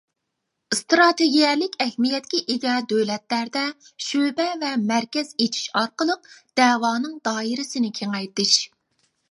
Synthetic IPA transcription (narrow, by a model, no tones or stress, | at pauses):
st̪ɾɑt̪ʰeɡʲijɛlɪkʲʰɛhmijɛt̪̚kʲiʔeɡʲɛd̪øwlɛt̪læɾd̪ɛ | ʃøbɛvɛmæɾkʲɛz̥et͡ʃʰi̥ʃɑɾqəlˠəq̚d̪̥ɛːwɑːnɨŋd̪ɑːiɾɪsɪnɪkʲʰeŋɛjt̪ɪʃ